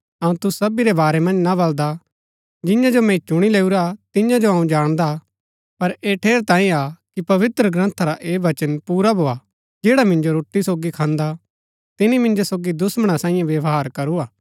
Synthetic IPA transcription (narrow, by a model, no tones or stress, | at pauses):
ɐũt̪ʊsɐbiɾebaːɾɛmɐ̃nd͡ʒnaβɐld̪a | d͡ʒɪ̃jãd͡ʒomɛ̃t͡ʃʊɽ̃ileːuɾat̪ɪ̃jãd͡ʒoɦɐũd͡ʒaːɽ̃d̪a | pɐɾeːʈʰeːɾt̪ãːĩakipɐʋɪt̪ɾəɡɾɐ̃nt̪ʰaɾaʔeːʋɐt͡ʃənpuːɾabʱoːa | d͡ʒeːɽamɪ̃nd͡ʒoɾoːʈːisoːɡikʰãːnd̪a | t̪ɪnimɪ̃nd͡ʒosoːɡid̪ʊsməɽ̃asãːĩjãʋjɐʋɦaːɾkɐɾuaː